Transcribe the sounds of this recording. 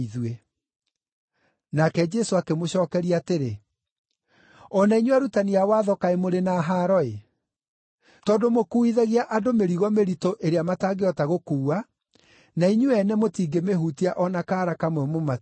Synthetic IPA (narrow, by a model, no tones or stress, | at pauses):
iðwe | nakɛd͡ʒɛsoakemoɕɔːkɛɾiaːteɾe | ɔnaiɲuaɾutaniawaːðɔkaemoɾenaɦaːɾɔe | tɔːdomokuiðaɣiaʔadomeɾiɣɔmeɾitoʔeɾeamataːɡeɔtaɣokuːa | naiɲuɛnɛmotiːɡemeɦutiaʔɔnakaːɾakamwɛmoma